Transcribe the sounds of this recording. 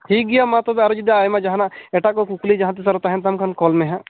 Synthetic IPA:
ɦiɡijamãt̪obɐɾod͡ʒid̪aːjmãd͡ʒɐɦãnaeʈakokuklid͡ʒɐɦãt̪is̬ɐɾɦot̪aɦɛ̃nt̪̬ɐmkʰənkɔːlmẽɦɛ̃

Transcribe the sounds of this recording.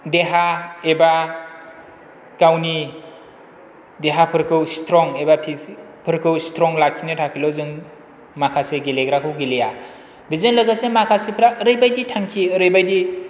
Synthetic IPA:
deɦaeba | kawni | deɦapʰɯɾkʰɯwstɾɔŋebapʰi | pʰɯɾkʰɯwstʰɾɔŋlakʰinɯtʰakʰilɔzɯŋ | makʰaseɡeleɡɾakʰɯwɡileja | bizenlɯɡasemakʰasepʰɾaʔɾɯjbajditʰaŋkʰiɯɾɯjbajdi

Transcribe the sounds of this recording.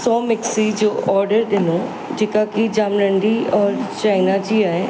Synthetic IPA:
sɔːmɪksid͡ʑoːʔɔːɾɖəɾɗɪnoː | d͡ʑeːkakid͡ʒaːmɾə̃ɳɖiɔːɾt͡ʃaːinad͡ʑiaːɦe

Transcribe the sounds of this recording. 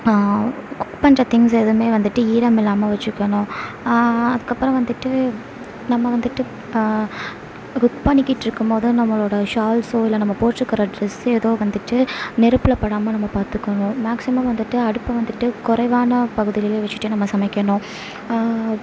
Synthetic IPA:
kʊkpɐnrɐt̪ɪŋsɛðɯmeːʋɐnd̪ɯʈːɯiːɾɐmɪlːaːmɐʋɐt͡ʃːɯkːɐɳʊ̃ | ɐðɯkːɐpːɯɾɐ̃ʋɐnd̪ɯʈːɯ | nɐmːɐʋɐnd̪ɯʈːɯ | kʊkpɐnɪkːɪʈːɾɯkːɯmpoːðɯ̃nɐmːɐɭoːɽɐʂaːlsoːɪlɐnɐmːɐpoːʈːɯkːɐɾɐɖɾɛsɛðoːʋɐnd̪ɯʈːɯnɛɾɯpːɪɭɐpːɐɽaːmɐnɐmːɐpaːɾt̪ɯkːɐɳʊ̃maːksɪmɐmʋɐnd̪ɯʈːɯɐɽɯpːɐʋɐnd̪ɯʈːɯkʊɾɐɪʋaːnɐpɐɣɯðɪlɪleːʋɐt͡ʃːɯ̥ʈːɯnɐmːɐsɐmɐɪkʲːɐɳʊ̃

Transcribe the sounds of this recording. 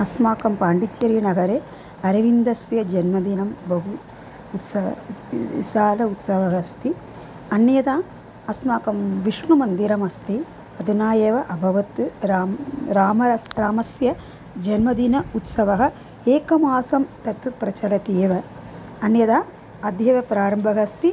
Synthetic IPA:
ɐsmaːkɐmpaːɳɖit͡ʃɐɾjɐnɐɡɐɾeː | ɐɾɐʋind̪ɐsjɐd͡ʒɐnmɐd̪inɐmbɐɦuː | t̪sɐɐ̰ | saːlɐut̪sɐʋɐɦɐst̪i | ɐnjɐd̪aː | ɐsmaːkɐmʋiʂmɐmɐnd̪iɾɐmɐst̪i | ɐd̪unaːjeːʋɐʔɐbʱɐʋɐt̪ɾaɾaːmɐɾaːmɐsjɐ | d͡ʒɐnmɐd̪inɐut̪sɐʋɐɦɐ | eːkɐmaːsɐmt̪ɐt̪pɾɐt͡ʃɐɾɐt̪eːʋɐ | ɐnjɐd̪aː | ɐd̪jɐʋɐpɾaːɾɐmbʱɐɦɐst̪i

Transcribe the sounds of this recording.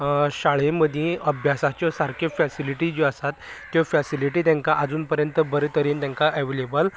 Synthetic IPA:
ɕaɭẽməd̪ʱjẽəbʱjasat͡ɕjɔsaɾkʰefɛsiliʈid͡ʑiəsat̪ː | jɔfɛsiliʈiːt̪̬jãŋkaʔad͡zuːnpəɾjənt̪əbəɾet̪əɾiːnt̪ãŋkaʔeʋelebəl

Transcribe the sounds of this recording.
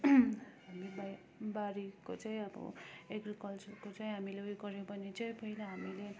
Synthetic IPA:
ɦamiba | baɾikot͡sʌĩʌbʌ̰ekrikʌlt͡sʌrkot͡sʌĩɦamileojɡʌɾẽpʌnid͡zʌjpʌilaɦamile

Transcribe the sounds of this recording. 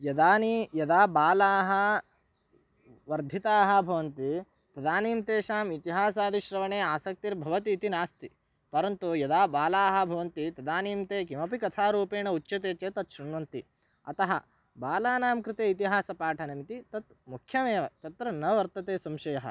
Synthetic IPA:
jɐd̪aːnijɐd̪aːbaːlaːɦɐ̆ | ʋɐɾd̪ʱit̪aːɦɐ̆bʱɐʋɐnt̪i | t̪ɐd̪aːniːmt̪eːʃaːmit̪iɦaːs̬aːd̪iʃɾɐʋɐɳeːaːsɐk̚t̪iɾbʱɐʋɐt̪iːt̪inaːst̪i | pɐɾɐnt̪ujɐd̪aːbaːlaːɦɐ̆bʱɐʋɐnt̪it̪ɐd̪aːniːmt̪eːkimɐpikɐt̪ʰaːɾuːpeːɳɐut͡ʃːt͡ʃːɐt̪eːt͡ʃeːt̪ɐt̪ʃuɳʋɐnt̪i | ɐt̪ɐɦɐ | baːlaːnaːmkɾɪt̪eːit̪iɦaːsɐpaːʈʰɐnɐmit̪it̪ɐt̪̚ | mukʰjɐmeːʋɐt͡ʃɐt̪ɾɐnɐʋɐɾt̪ɐt̪eːsɐmʃɐjɐɦɐ̰

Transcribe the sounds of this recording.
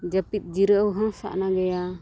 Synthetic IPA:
d͡ʒəpit̪̚ˀd͡ʒiɾəəwɦə̃sa̰ʔnaɡɛja

